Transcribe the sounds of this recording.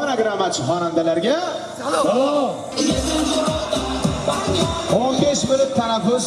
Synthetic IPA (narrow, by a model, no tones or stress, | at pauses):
anaɡɾamːat͡ʃʰɪχɒnand̪alaɾɡʲa | o | ɾd̪ʲ | onbe̞ʃmʊlʊt̪ʰːanafʊs